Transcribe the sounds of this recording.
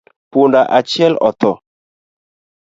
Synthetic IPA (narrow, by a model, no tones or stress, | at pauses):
pundaʔat͡ʃjɛlɔt̪ɔ